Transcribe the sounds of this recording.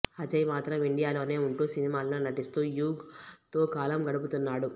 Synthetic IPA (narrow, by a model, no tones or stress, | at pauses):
ɐt͡ʃɐjmaːt̪ɾɐmiɳɖijaːlo̞ːne̞ːuɳʈuːsinimaːlɐnoːnɐʈist̪uːjuːɡt̪o̞ːkaːlɐmɡɐɽup̬ut̪unːaːɽu